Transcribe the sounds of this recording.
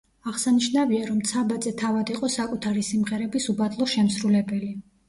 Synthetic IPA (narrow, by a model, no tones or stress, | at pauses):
aʁsaniʃnaviaɾɔmt̪sʰabat̪zɛt̪ʰavad̪iqʼɔsakʼut̪ʰaɾisimʁɛɾɛbisubat̪ʼlˠɔʃɛmsɾulɛbɛli